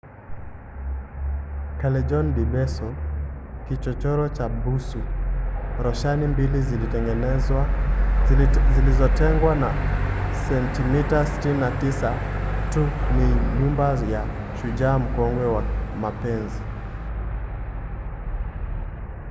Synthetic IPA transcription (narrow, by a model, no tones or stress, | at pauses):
kalɛd͡ʒɔnbibɛsɔ | kit͡ʃɔt͡ʃɔɾɔt͡ʃabusu | ɾɔʃanimbilizilitɛŋɡɛnɛw | zilizɔtɛŋɡwanasɛntimitasi̥tininatisatuniɲumbaja | ʃud͡ʒam̩kɔŋɡwɛwamapɛnzi